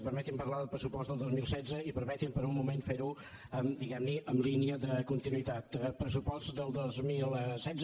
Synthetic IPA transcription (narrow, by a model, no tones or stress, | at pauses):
pəɾmɛt̪impəɾlaðəpɾəsupɔst̪dəlˠd̪ozmilˠsɛd͡zəipəɾmɛt̪impəɾummumenfeɾu | əmd̪iɣɛmniʔəmliniəðəkunt̪inuit̪at̪pɾəsupɔsd̪əlˠd̪ozmilˠsɛdz